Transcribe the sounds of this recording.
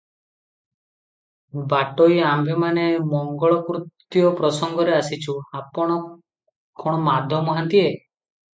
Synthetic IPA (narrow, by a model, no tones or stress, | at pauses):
baʈojambʱemanemɔŋɡɔɭɔkɾut̪ːjɔpɾɔsɔŋɡɔɾeasit͡ʃʰuapɔɽ̃ɔ | kʰɔɽ̃ɔmad̪ʱjɔmɔɦant̪ie